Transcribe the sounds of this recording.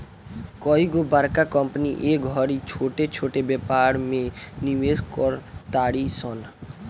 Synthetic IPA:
kɔiɡobaɾkakɔmpəniʔeɡʱɔɽit͡ʃʰoʈet͡ʃʰoʈebɛpaɾmẽnimed̪kɔɾt̪aːɽisɔn

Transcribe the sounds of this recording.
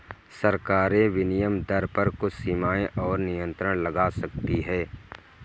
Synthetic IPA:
sɐɾkaːɾẽʋɪnɪjəmd̪ɐɾpɐɾkʊt͡ʃʰsiːmaːẽʔɔːɾnɪjə̃nt̪ɾəɽ̃lɐɡaːsɐk̚t̪iɦɛː

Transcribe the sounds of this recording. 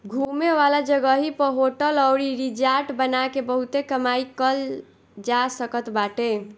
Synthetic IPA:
ɡʱumeʋalad͡ʒəɡəɦipəɦoʈələwɾiɾid͡ʒaɾʈbənakebəɦut̪ekəmaikəl | d͡ʒasəkət̪baʈe

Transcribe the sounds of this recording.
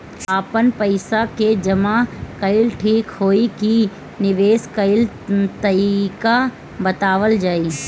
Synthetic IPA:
aːpənpɐɪsaked͡ʒɐmakɐɪlʈʰiːkhoːiki | nɪʋeːskɐɪl | t̪ɐɾika | bɐt̪aːʋəld͡ʒaːiː

